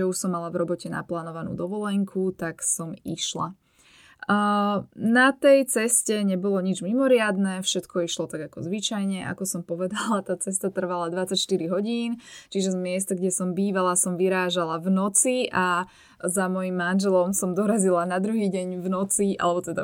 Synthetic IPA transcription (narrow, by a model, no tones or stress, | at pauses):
ɛuʃsɔmːalavɾɔbɔcɛna̰plaːnɔʋanṵːd̪ɔʋɔlɛŋkʰut̪aksɔmḭʃla̰ | nat̪ɛjt͡sɛscɛɲɛbɔlɔɲid͡ʒmimɔɾɪad̪nɛfʃɛt̪kʰɔiʃlɔt̪aɡakɔzʋit͡ʃajɲɛʔa̰kɔsɔmpɔʋɛd̪alat̪aːt͡sɛst̪at̪r̩ʋalad̪ʋat͡sacʃt̪iɾiɦɔɟiːnt͡ʃiʒɛzmɪɛst̪aɡɟɛsɔmbiːʋalasɔmʋiɾaːʒalavnɔt͡siʔa | zamɔjimːanʒɛlɔmsɔmd̪ɔɾazilanad̪ɾuɦiːɟɛɲvnɔt͡siʔa̰lɛbɔt̪ɛd̪a